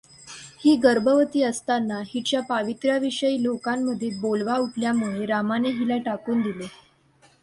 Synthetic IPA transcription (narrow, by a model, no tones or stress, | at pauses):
hiːɡəɾbəʋət̪iːəst̪anːaɦit͡ɕjapaʋit̪ɾaʋiʂəiːlokamːəd̪ʱːebolʋauʈʰljamuɭeɾamaneɦilaʈakuːnd̪ile